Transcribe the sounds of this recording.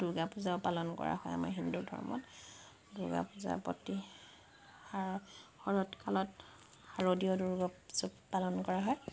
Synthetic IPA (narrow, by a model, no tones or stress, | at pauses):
d̥uɹɡapʊzaʊpalɔnkɔ̰ɹa̰ɦɔja̰ma̰ɹɦindudʱɔ̰ɹmɔ̰t | duɹɡa̰puza̰pɔ̰ti | aɹxɔɹɔtkalɔt | haɹodiɔduɹɡɔzɔpalɔnkɔɹaɦɔj